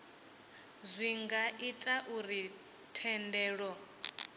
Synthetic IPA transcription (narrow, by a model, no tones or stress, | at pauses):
zʷiŋɡaʔitʼaʔuɾi | tʰɛndɛːɺɔ